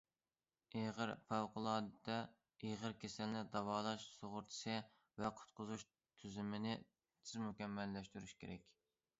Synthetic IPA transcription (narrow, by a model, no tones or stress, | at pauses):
eʁəɾfæwqəlˠɑːd̪ɨd̪ɑ | eʁəɾkʲʰesɛlnɪd̪ɑwɑːlˠɑʃsoʁʊɾt̪ʰɨ̥ʃɨ | vɛqʰʊ̥t̪̚qʰʊzuʃ | t̪ʰyzɪmɪnɪ | t̪ʰɪzmukʲɛmːɛlːɛʃt̪yɾyʃkʲʰeɾɛkʲ